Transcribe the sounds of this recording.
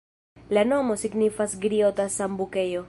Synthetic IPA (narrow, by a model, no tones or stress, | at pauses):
lano̞mo̞siɡnifasɡɾiot̪asambuke̞jo̞